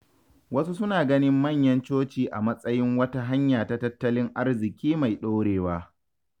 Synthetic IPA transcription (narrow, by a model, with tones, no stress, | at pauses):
wɐ˦su˦sʊ˦naː˨ɡɐ˦nɪ˦mːɐ˦˨ɲjɐ˦nt͡ʃoː˦t͡ʃiː˨ʔa̰˨mɐ˦sʼɐ˦jɪ˦ŋwɐ˦ta˦ɦa˦ɲjaː˨ta˦tɐ˦tːɐ˦lɪ˦ŋʔa˦rzɪ˨kʲiː˦ma˨jɗo˦wɽeː˨waː˦